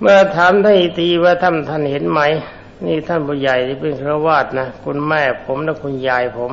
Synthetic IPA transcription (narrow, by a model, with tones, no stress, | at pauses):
mɯ˧˩ɐt̪ʰaː˨˦mt̪ʰa˧˥˩ʔi˧˩t̪iː˧waː˧˩t̪ʰa˥˩nt̪ʰa˥˩˨nhe˨˦nma˦˥˩j | niː˧˥˩t̪ʰa˧˥˩nbɔː˧ja˨˩jt̪ʰiː˧˩pe˧nkʰɾɯ˧waː˥˩t̪̚na˦˥kʰu˧nmɛː˧˥˩pʰo˩˦mlɛː˧˩kʰu˧njaː˨˧jpʰo˨˩˦m